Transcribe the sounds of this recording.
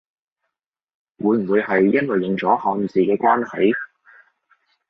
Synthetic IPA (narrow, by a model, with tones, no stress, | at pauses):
wʔuː˨˧jm̩˨˩wuː˨˧jɦɐ˨jːɐ˥nwɐ˨˩jːɪ˨˩ŋt͡sɔː˨˥hɔː˨˧ŋi˨˩siː˨˩kɛː˧kwaː˥nhɐ˨˥j